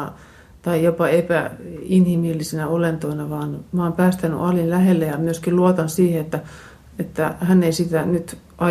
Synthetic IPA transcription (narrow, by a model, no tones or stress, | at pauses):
t̪ɑijopɑepæinhimilːisenæolent̪oinɑʋɑːnmɑɑːmpæːst̪æny̰ʔɑlinlæhelːejɑmyøskiluot̪ɑnsiːheet̪ːæ | et̪ːæ̰hænːeisit̪ænyt̪ | ʔɑ